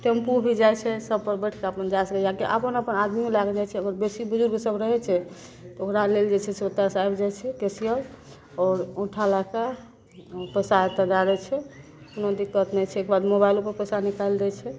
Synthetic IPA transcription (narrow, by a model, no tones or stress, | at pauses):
ʈempubʱid͡ʒajt͡ʃʰɛsəb̚pəɾbɛʈʰkaəpənd͡ʒajsəkejɦãkeʔə̰pənəpənad̪mimelaɡed͡ʒajt͡ʃʰɛəɡəɾbesibud͡ʒuɾmesəbɾəɦɛt͡ʃʰɛ | t̪ɔokɾaleld͡ʒet͡ʃʰɛsot̪asajbd͡ʒajt͡ʃʰɛkesijəl | ɔːɾũʈʰalaka | pəsat̪əd̪aɾɛt͡ʃʰɛ | unod̪ikːət̪nɛt͡ʃʰɛekbad̪mobajlupəɾpəsanikald̪ɛt͡ʃʰɛ